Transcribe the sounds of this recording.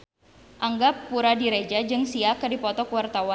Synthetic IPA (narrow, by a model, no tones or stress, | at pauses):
ʔaŋɡapːuɾadiɾed͡ʒad͡ʒɨŋsiakədipɔt̪ɔkuwart̪awa